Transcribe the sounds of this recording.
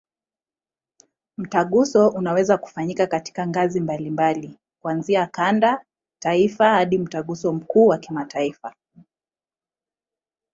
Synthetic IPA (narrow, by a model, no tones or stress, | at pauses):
m̩taɠusɔʔunawɛzaku̥faɲikakati̥kaŋɡazimbalimbali | kuanziakanda | taifahaɗim̩taɠusɔm̩kuːwakimataifa